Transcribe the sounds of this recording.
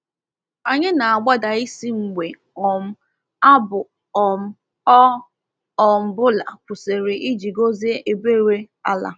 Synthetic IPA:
a˨ɲɪ˦na˨a˨ɡ͡ba˦da˨i˦si˦ŋ͡m̩˨ɡ͡be˨ | ɔ˨m̩˦ | a˦bʊ˨ | ɔ˨m̩˦ | ɔ˦ | ɔ˨m̩˨bʊ˦la̰˨kʷu˨se˨ɾɪ˨ʔi˦d͡ʒi˨ɡo˦ze˦e˨be˦˨ɾe˦ | a˦la̰˨

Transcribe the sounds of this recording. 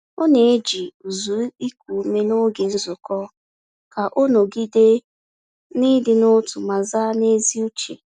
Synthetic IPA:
ʊ˦ne˨e˦d͡ʒi˨u˨zu˨˦i˦kʷu˨me˦nʊ˦ɡe˨n̩˦zʊ˨kɔ˦ | ka˨ʔʊ˦no˨ɡi˦de˦ | nɪ˦dɪ˦nʊ˦tʊ˨ma˨za˦ne˦zi˦u˦t͡ʃḛ˨

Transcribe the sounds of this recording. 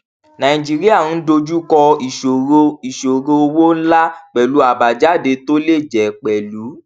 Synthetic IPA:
nã˨ĩ˨d͡ʒi˨ɾi˦a˦˨ñ̩˨˦do˧d͡ʒu˦kɔ˧i˨ʃo˨˧i˨ʃo˨ɾo˧wo˦n̩˦la˦k͡pɛ˨lu˨˦a˨ba˨d͡ʒa˦˨de˧to˦le˦˨d͡ʒɛ˨k͡pɛ˨lu˨˦

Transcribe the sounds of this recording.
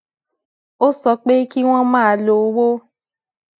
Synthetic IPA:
o˦sɔ˧˦k͡pe˦ki˦w̃ɔ̃˦mãː˦˨˧lo˨˦wo˦

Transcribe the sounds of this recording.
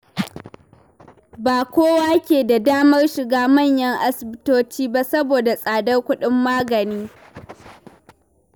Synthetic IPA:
baː˨kʷoː˦waː˦kʲeː˨da˨daː˦mɐ˦rʃɪ˨ɡaː˦mɐ˦˨ɲjɐ˦ŋʔa˦sɪ˨bɪ˦toː˦t͡ʃiː˦ba˦sɐ˦boː˨da˨sʼaː˨dɐ˦rkʷʊ˦ɗɪ˦mːaː˦ɡɐ˨niː˦

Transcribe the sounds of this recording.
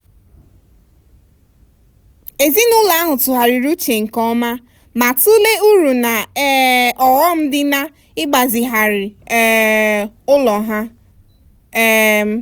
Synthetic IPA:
e˨zi˦nʊ˦la˨˦a˦ɦʊ˨tʊ˨ɦa˨ɾɪ˨ɾu˦t͡ʃe˨ŋ̩˨kɔ˦ma˦ | ma˨tʊ˦le˦u˦ɾu˨na˨˦ | ɔ˨ɣɔ˦m̩˦dɪ˦na˦ | ɪ˦ɡ͡ba˨zɪ˨ɦa˨ɾɪ˨˦ | ʊ˦lɔ˨ɦa˦

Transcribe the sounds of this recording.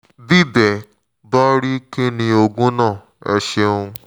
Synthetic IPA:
di˦dɛ˨ | bɔ˦ɾi˦ki˦nĩ˧o˧ɡũ˦nãː˦˨ | ɛ̰˧ʃe˧ũ˧

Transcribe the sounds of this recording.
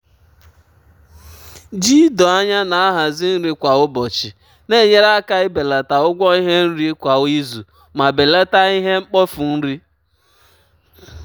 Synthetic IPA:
d͡ʒi˦dɔ˨a˦ɲa˦na˨a˦ɦa˨zɪ˦n̩˦ɾi˦kʷa˨ʊ˦bɔ˨t͡ʃɪ˨ | ne˦˨ɲe˦ɾa˦ka˦ɪ˦be˨la˨ta˨ʊ˦ɡʷɔ˦i˦ɦe˦n̩˦ɾi˦kʷa˨˦i˦zu˨ | ma˨be˨la˦ta˦i˦ɦe˦ŋ͡m̩˦k͡pɔ˦fu˨n̩˦ɾi˦

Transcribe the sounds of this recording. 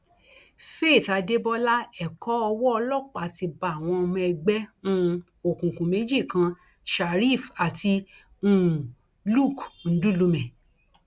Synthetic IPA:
fe˦˨ta˧de˦bɔ˦la˦ɛ˨kɔ˨˦ɔ˧wɔ˦ɔ˧lɔ˦˨k͡pa˨ti˧ba˧˦a˦˨w̃ɔ̃˧mɔ̃˧ɛ˧ɡ͡bɛ˦nũ˦ | o˨kũ˨kũ˨mẽ˨˦d͡ʒi˦˨kã˧ | ʃa˨ɾi˦˨fa˨ti˧ | ũ˦˨ | lu˦˨kn̩˨˦dũ˦lu˧mɛ̃˨

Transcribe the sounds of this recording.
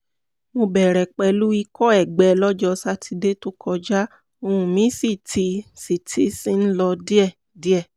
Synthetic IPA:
mo˧bɛ˨ɾɛ˨k͡pɛ˧˦lu˦i˧kɔ˦ɛ˦˨ɡ͡bɛ˨˦lɔ˦d͡ʒɔ˧sa˦tʰi˧de˦to˦kʰɔ˧d͡ʒa˦ | õ˧ũ˨mĩ˨˦si˦˨tʰi˧si˨tʰi˦si˦n̩˦lɔ˧di˦ɛ˦˨ | di˦ɛ˦˨

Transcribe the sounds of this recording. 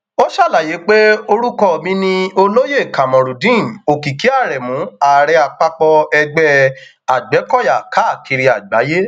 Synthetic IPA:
o˦ʃa˦˨la˨je˨˦k͡pe˦o˧ɾu˦kɔ˦˧˨mĩ˦nĩ˧o˧lo˦je˦˨ka˨mɔ̃˨ɾu˨dĩ˦˨o˨ki˨ki˨˦a˦˨ɾɛ˨mũ˨˦a˨ɾɛ˧a˨k͡pa˧k͡pɔ˧ɛ˧ɡ͡bɛ˦ | a˨ɡ͡bɛ˨˦kɔ˦˨ja˨ka˨˦˨kʰi˧ɾi˧a˨ɡ͡ba˨˦je˦

